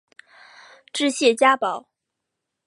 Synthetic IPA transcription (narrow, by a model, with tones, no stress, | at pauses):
ʈ͡ʂɻ̩˥˧ɕjɛ˥˩t͡ɕja˥pɑ˨˩˦ʊ